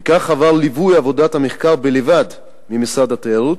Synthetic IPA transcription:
kaχavaʁlivujavo̞dathameχkaʁbelevad | mimisad̪atejaʁut

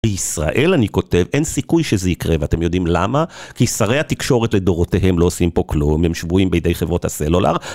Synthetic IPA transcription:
beisʁa̰ʔe̞laniko̞te̞vʔensikujʃezeikʁeveat̪e̞mjo̞dimlamakisaʁehat̪ikʃo̞ʁetle̞do̞ʁoteɦe̞mlo̞osimpo̞klumjemʃvuimbejd̪ejχevʁo̞thaselola̰ʁ

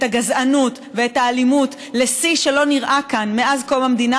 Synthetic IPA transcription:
taɡazanut | ve̞etaːlimut | le̞siʃe̞lo̞niʁʔakanmeazko̞mamed̪ina

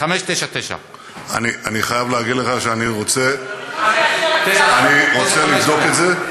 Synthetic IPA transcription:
χameʃt̪ejʃat̪eʃa̰ | a̰niʔaniχajavleaɡid̪leχaʃeaniʁo̞t͡se̞ | t̪eʃaaniʁot͡selizokeze

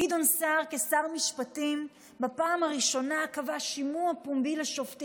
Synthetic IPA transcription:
idonsaʁkesaʁmiʃpatim | bapaːmaʁiʃo̞nakavaʃimuapumbileʃoft

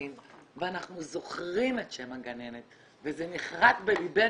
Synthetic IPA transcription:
imveanaχnuzo̞χʁimetʃemaɡane̞net̪ | vezeniχʁat̪belibe

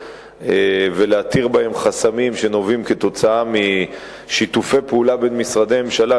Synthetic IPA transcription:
eveleat̪iʁbae̞mχasamimʃe̞no̞vimke̞t̪o̞t͡saami | ʃit̪ufe̞jpeulabe̞nmisʁad̪ememʃala

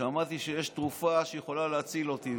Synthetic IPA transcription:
amat̪iʃejeʃt̪ʁufaʃejeχo̞laleat͡silo̞t̪i

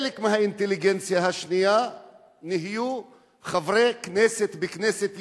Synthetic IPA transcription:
lekmeɦaint̪eliɡent͡sjaɦaʃnija | niɦiju | χavʁekneset̪bekneset̪

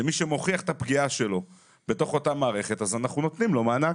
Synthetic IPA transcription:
emiʃemo̞χiaχe̥t̪apɡiaʃe̞lo̞ | b̥e̞to̞χo̞tamaːʁe̞χe̞tazanaχnuno̞t̪nimlo̞maːna

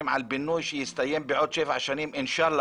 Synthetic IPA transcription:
mʕalbɪnːuːʃjɪst̪ajːɪmbiʕuːd̪ʃeːfʕaʃaːnimʔɪnʃaːlː

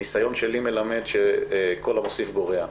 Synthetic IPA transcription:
isajo̞nʃelime̞lame̞d̪ʃeko̞lamosifboʁea

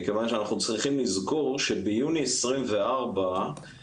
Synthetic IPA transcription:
kevanʃeanaχnut͡sʁiχimlizɡoʁʃebejuniesʁimve̞aʁba

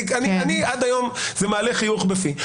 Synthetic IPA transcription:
kanianiad̪ajomzemaːleχijuχbefi

